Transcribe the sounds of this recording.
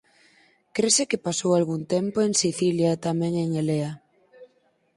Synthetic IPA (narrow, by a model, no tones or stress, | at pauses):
kɾesekɪpasowalɣunt̪empoeŋsiθiljat̪amɛ̃ŋeŋelea